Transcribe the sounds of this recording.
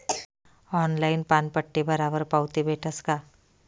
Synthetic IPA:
ɔːnlaːɪnpaːnpəʈːebɐɾaːbəɾpaʊt̪ibeːʈʰəskaː

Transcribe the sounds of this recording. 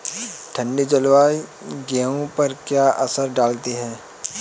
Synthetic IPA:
ʈʰə̃ɳɖed͡ʒɐlʋaːiɡaːõpɐɾkjaːʔɐsəɾɖaːlt̪iɦɛ̃ː

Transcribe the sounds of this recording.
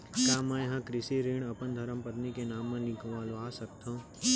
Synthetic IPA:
kaːmə̃ɦãkɾɪsiɾiːɳ̃əpənd̪ʱəɾəmpət̪nikenaːmːãlɪ̃kʋaːloaːsək̚t̪ʰõː

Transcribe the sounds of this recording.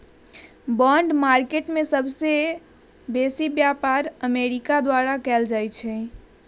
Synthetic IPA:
bɔ̃ɳɖmaɾkeʈmesəbʱse | besibjapaɾəmeɾikad̪waɾakɛld͡ʒajt͡ʃʰɛ

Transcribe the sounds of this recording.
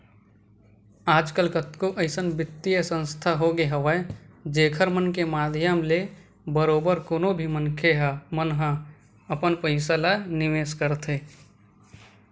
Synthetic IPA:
aːd͡ʒkəlkət̪koʔəɪsənbɪt̪ːijəsə̃nst̪ʰaɦoɡeɦəʋəd͡ʒeːkʰəɾmənkemaːd̪ʱjəmle | bəɾoːbəɾkoːnobʱimənkʰeɦamənɦə̃ | əpənpəɪsalanɪʋeːskəɾt̪ʰɦeː

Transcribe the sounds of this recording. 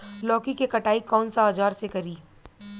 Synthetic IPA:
lɔːkikekɐʈaːikɔːnsaːd͡ʒaːɾsekɐɾiː

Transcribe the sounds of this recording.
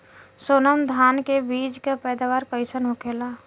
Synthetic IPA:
soːnəmd̪ʱaːnkebiːd͡ʒkapɛːd̪aːʋaːɾkəɪsənɦʊkeːlaː

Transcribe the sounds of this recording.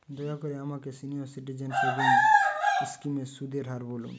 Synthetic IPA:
d̪oɡakoɾeamakesinioɾsiʈid͡ʑenseboŋ | skimesud̪ʱeɾɦaɾbolṵn

